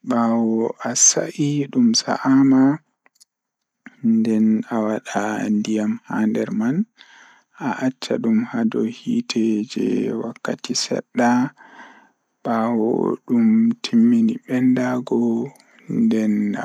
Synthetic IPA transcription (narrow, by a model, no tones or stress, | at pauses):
ɓawɔʔasa̰ʔiɗumsa̰ʔama | ndɛnawaɗandijamhandɛɾman | ʔaʔat͡ʃːaɗumhadɔhiːtʰɛd͡ʒɛ̰wakːatisɛ̰ɗːa | ɓawɔ̰ɗumtʰimːiniɓɛndaɡɔ | ndɛna